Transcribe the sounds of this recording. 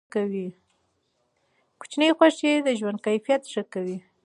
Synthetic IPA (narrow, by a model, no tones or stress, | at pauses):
kawi | kʊ̥t͡ʃnəjxwaʂed̪əʒwand̪̚kajfijat̪ʂəkawi